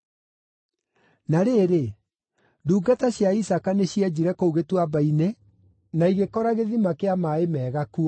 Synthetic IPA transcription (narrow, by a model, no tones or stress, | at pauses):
naɾeɾe | nduːɡataɕjaisakaneɕiɛd͡ʑiɾɛkouɣetwabaine | naiɣekɔɾaɣeðimakeamaemɛːɣaku